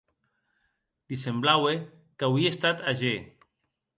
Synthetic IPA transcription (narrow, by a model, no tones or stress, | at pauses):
d̪̥isemblawe | kawiest̪at̪aʒe